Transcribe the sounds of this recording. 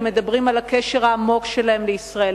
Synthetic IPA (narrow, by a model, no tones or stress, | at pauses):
med̪abʁimalakeʃe̞ʁhaːmo̞kʃe̞lae̞mleisʁael